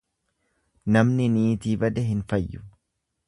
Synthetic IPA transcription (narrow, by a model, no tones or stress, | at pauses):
nɐmnɪniːt̪iːbɐd̪ɛɦɪnfɐjːʊ̥